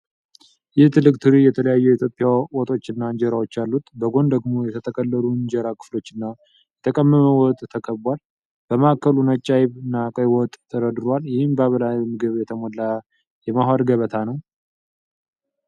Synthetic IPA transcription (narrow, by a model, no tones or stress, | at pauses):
jɪht̪ʰɨlːɨkʼt̪ʰɨɾijɛt̪ʰələjajːuɛit̪ʰjopʼːjawɔt̪ʼo̞t͡ʃːɨnːaɨɲd͡ʒɛɾawo̞t͡ʃːalːut̪bəɡo̞nd̪əɡmo̞jɛt̪ʰət̪ʰəkʼəlːəluɨɲd͡ʒɛɾakʰɨ̥flo̞t͡ʃːɨnːa | jɛt̪ʰəkʼəmːəməwɔt̪ʼt̪ʰəkʰəβbʷal | b̥əmakʰːəlunət͡ʃʼːajβɨnakʼəjwɔt̪ʼt̪ʰːəɾəd̪ɨɾwaljɪhɨmbəaβəlajmɨɡɨβjɛt̪ʰəmolːa | jɛmaɦwaɾɡəβət̪ʰanəw